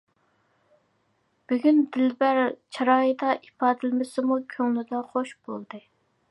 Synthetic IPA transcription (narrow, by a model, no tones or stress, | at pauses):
b̥yɡʲynd̪ɪlbæɾt͡ʃʰɑɾɑːjid̪ɑʔipʰɑːd̪ɨlmɪsɪmukʲʰøŋlyd̪ɑχoʃbolˠd̪ɨ